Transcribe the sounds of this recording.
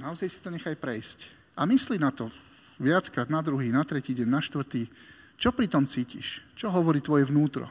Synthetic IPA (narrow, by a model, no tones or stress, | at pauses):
naɔzajsi̥t̪ɔɲɛxajpɾɛjsc | ʔamislinat̪ɔ | ʋɪat͡skɾaːd̪nad̪ɾuɦiːnat̪ɾɛciːɟɛɲnaʃt̪ʋr̩t̪iː | t͡ʃɔpɾit̪ɔmt͡siːcḭʃt͡ʃɔɦɔʋɔɾiːt̪ʋɔjɛʋnuːt̪ɾɔ̰